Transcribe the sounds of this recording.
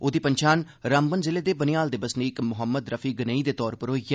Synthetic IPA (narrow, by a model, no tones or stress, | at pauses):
oːd̪iːpəɲt͡ʃaːn | ɾambənzɪleːd̪eːbənɪjaːld̪ɪbəsniːkmʊɦəmːəd̪ɾəfʰiːɡənəiːd̪eːt̪ɔːɾpəɾɦoːiɡəː